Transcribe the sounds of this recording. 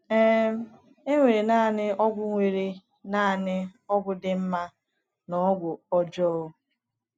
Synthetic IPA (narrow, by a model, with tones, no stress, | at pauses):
ɛ˦m˦ | e˦ŋʷe˨ɾe˨naː˦˨nɪ˦ɔ˦ɡʷʊ˦ŋʷe˨ɾe˦ | naː˦˨nɪ˦ɔ˦ɡʷʊ˦dɪ˨m̩˦ma˦ | nɔ˦ɡʷʊ˨ɔ˦d͡ʒɔː˦˨